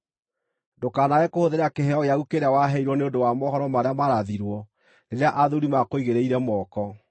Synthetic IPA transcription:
dokaːnaɣɛkohoðeɾakeɦɛɔɣeaɣukeɾeawaɦɛiɾwɔneondowamɔhɔɾɔmaɾeamaɾaðiɾwɔ | neɾeaʔaðuɾimakoiɣeɾeiɾɛmɔkɔ

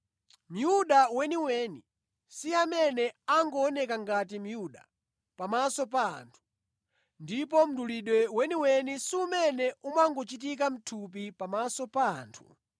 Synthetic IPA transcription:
m̩juɗawɛniwɛni | siamɛnɛaŋɡɔːnɛkaŋɡat̬im̩juɗa̰ | pamasɔpa̰ːntʰu̥ | ndip̬ɔm̩ɗuliɗwɛwɛniwɛnisiumɛnɛumaŋɡɔt͡ʃit̬ik̬am̩tʰup̬ipamasɔpaːntʰu̥̰

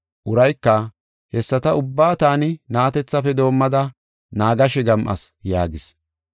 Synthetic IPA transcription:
ʔʊɾɐjkːɐ | hɛsːɐt̪ɐʊbːaːt̪aːnɪnaːt̪ɛt͡sːɐfɛd̪o̞ːmːɐd̪ɐ | naːɡɐʃɛɡɐmʔɐ̰sjaːɡɪs

